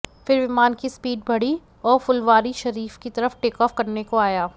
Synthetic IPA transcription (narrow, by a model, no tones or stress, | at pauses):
fɪɾʋɪmaːnkispiːɖ̚bʱɐɽi | ɔːɾfʊlʋaːɾiʃɐɾiːfkit̪ɐɾəfʈeːkɔːfkɐɾnekoaːjaː